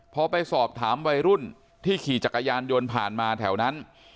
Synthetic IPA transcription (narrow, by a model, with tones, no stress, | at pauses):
pʰɔ˧pa˧jsɔː˨˩p̚t̪ʰaː˩˦mwa˧jɾu˥˩n | t̪ʰiː˥˩kʰiː˨˩t͡ɕa˨˩kːa˧jaː˧njo˧npʰaː˨˩nmaː˧t̪ʰɛ˩˦wna˦˥n